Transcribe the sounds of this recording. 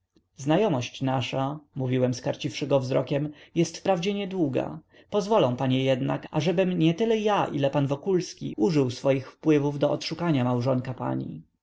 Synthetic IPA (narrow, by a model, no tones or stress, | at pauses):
znajɔmɔɕt͡ɕnaʂamuvʲiwɛmskaɾt͡ɕifʂɘɡɔvzɾɔkʲɛmjɛst̪fpɾavd͡ʑɛɲɛd̪wuɡa̰ | pɔzvɔlɔ̃w̃paɲɛjɛd̪na̰ka̰ʐɛbɘmɲɛt̪ɘlɛjaʔilɛpanvɔkulskʲḭʔuʐɘwsfɔjixfpwɘvuvd̪ɔɔt̪ʂukaɲamawʐɔŋkapa̰ɲḭ